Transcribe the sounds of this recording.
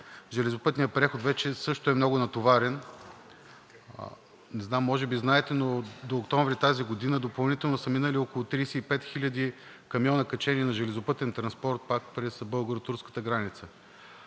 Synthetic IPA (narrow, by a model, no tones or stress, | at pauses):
ʒɛlɛzopɤt̪nijəpɾɛxot̪vɛt͡ʃɛsɤʃt̪oɛmnɔɡʊnɐt̪ovaɾɛn | nɛznamːɔʒɛbiznaɛt̪ɛnod̪oːkt̪ɔ̃ɱvɾit̪aziɡod̪inəd̪opɐlˠnit̪ɛlˠnosəminəliɔkolˠʊt̪ɾiːsɛipɛt̪xilʲəd̪i | kɐmjɔnəkɐt͡ʃɛniɛnɐʒɛlɛzopɤt̪ɛnt̪ɾɐnspɔɾt̪̚pakpɾɛsbɤlˠɡoɾot̪uɾskə̥t̪əɡɾanit̪sə